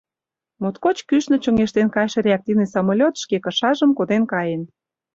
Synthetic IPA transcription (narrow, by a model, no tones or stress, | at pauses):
mot̪kot͡ɕkyʃnə̆t͡ɕŏŋeʃt̪enkɑjʃĕɾʲeak̚t̪ivnisɑmolʲot̪ʃkekɤ̆ʃɑʒə̆mkod̪enkɑjen